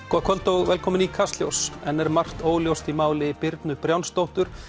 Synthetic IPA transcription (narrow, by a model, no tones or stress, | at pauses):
kʰɔkʰvœlt̪owɣvɛlkʰɔːmɪnikʰast̪ljo̰wsɛnːɛɾmar̥t̪oːwljowst̪imaːwlɪpɪɾt̪nʏpɾjawnst̪owht̪ʏɾ̥